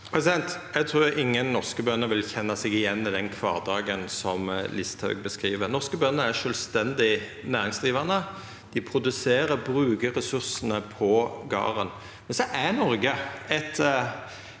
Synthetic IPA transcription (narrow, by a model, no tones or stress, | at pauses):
ɛsɛnt̪jæɡt̪ʰɾuːɾɪŋːənːɔʁskəbœnːəʋɪlçɛnːɑsɛɡɪjɛnːɪd̪ɛnkʰʋɑ̰ːʁd̪ɑːɡənsɔmlɪst̪ʰɑ̰ʉɡ̚bəskɾiːʋəɾnɔʁskəbœnːəæʂœːlst̪ɛnd̪ɪ | næːʁɪŋsd̪ʁiːʋɑʁnə | d̪̥ɪpʰɾʊd̪ʉseːɾəbɾʉːkəɾɛsʉɾsənəpʰɔɡɑ̰ːɾən | mɛnsɔʔænɔɾɡəɛt̪